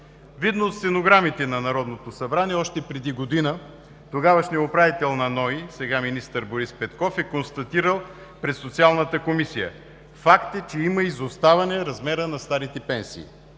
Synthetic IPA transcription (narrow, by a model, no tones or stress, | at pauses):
vid̪noːt̪sɛnoɡɾamit̪ɛnɐnɐɾɔd̪not̪osɐbɾaniɛɔʃt̪ɛpɾɛd̪iɡod̪inə | t̪oɡavɐʃnɛopɾavit̪ɛlˠnɐnɔisɛɡaminist̪əɾboɾispɛt̪kɔfɛkonst̪ɐt̪iɾəlˠ | pɾɛsot̪sialˠnət̪əkomisijə̰ | fakt̪ət͡ʃɛimɐizost̪avɐnɛɾɐzmɛɾənɐst̪aɾit̪ɛpɛnsḭː